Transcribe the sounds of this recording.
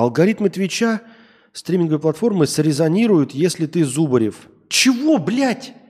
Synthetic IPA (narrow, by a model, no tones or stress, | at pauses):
ɐlˠɡɐɾʲit̪mɨt̪vʲɪt͡ɕa | st̪ɾʲimʲɪnɡəvəjplˠɐt̪fo̞rmɨsɾʲɪzɐnʲiɾʊjʊt̪jesʲlʲɪt̪ɨzubəɾʲɪf | t͡ɕɪvo̞blʲætʲ